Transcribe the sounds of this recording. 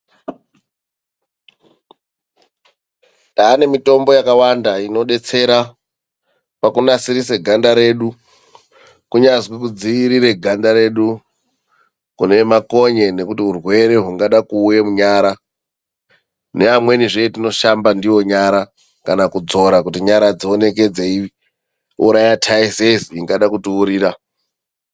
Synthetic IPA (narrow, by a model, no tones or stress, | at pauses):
taːne̞mito̞mbo̞jakawandaino̞ɗe̞t͡se̞ɾa | pakunasiɾise̞ɡʱandaɾe̞ɗu | kuɲazwik̬ud͡ziːɾiɾe̞ɡʱandaɾe̞ɗu | kune̞mako̞ɲe̞ne̞kutiurwe̞ɾe̞ɦuŋɡaɗakuːjemuɲaɾa | ne̞amwe̞niʐeetino̞ʃambandiwo̞ɲaɾa | kanakud͡zo̞ɾakutiɲaɾad͡zione̞k̬e̞d͡zei | uɾajatʰaizeziŋɡaɗakutuːɾiːɾa